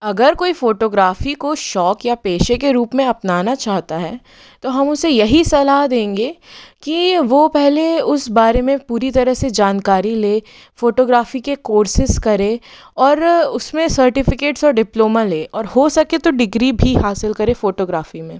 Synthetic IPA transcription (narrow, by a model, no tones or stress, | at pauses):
ɐɡəɾkoːifoːʈoːɡɾaːfikoʃɔːkjapeːʃekeɾuːpmẽɐpnaːnat͡ʃaːɦt̪aɦɛː | t̪oɦɐmʊsejɐɦisɐlaɦd̪ẽːŋɡeːkiʋopɛɦleʊsbaːɾemẽpuːɾit̪ɐɾəɦsed͡ʒaːnkaːɾileː | foːʈoːɡɾaːfikekoːɾsɪskɐɾe | ɔːɾʊsmẽsɐɾʈɪfɪkeːʈsɔːɾɖɪploːmaleːʔɔːɾhosɐket̪oɖɪɡɾibʱihaːsɪlkɐɾefoːʈoːɡɾaːfimẽː